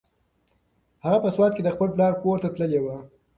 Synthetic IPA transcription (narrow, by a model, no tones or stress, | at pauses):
haɣapəswɑt̪ked̪əxpəlplɑɾpoɾt̪at̪ləlewa